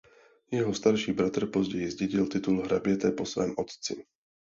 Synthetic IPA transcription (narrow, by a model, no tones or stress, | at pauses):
jɛɦɔst̪aɾʃiːbɾat̪ɾ̩pɔzɟɛjizɟɛɟilt̪it̪ulɦɾabɪɛt̪ɛpɔsvɛ̰ːmʔɔt̪t͡sḭ